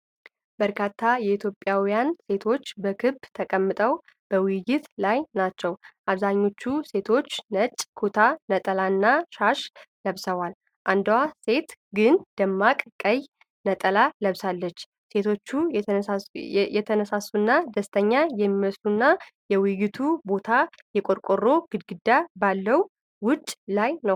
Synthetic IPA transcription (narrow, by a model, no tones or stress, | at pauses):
b̥əɾkʰat̪ʰːajɛit̪ʰjo̞pʼːjawijanse̞t̪ʰo̞t͡ʃːbəkʰɨbt̪ʰəkʼəmːɨt̪ʼəw | b̥əwjɪt̪lajnat͡ʃːɛwʔaβzaɲːo̞t͡ʃːuse̞t̪ʰo̞t͡ʃːnət͡ʃʼkʰot̪ʰanət̪ʼəlanːaʃaʃləβsəwal | ʔand̪wase̞t̪ɡɨnd̪̥əmːakʼkʼəj | nət̪ʼəlaləβsalːət͡ʃː | se̞t̪ʰo̞t͡ʃːu | jɛt̪ʰənəsasunːad̪əst̪ʰəɲːajɛmːiwəsunːajɛwʊjɪt̪ʰubo̞t̪ʰa | jɛkʼoɾkʼoro̞ɡ̥ɨd̪ɡɨd̪ːabalːəw | wʊt͡ʃʼːlajnəw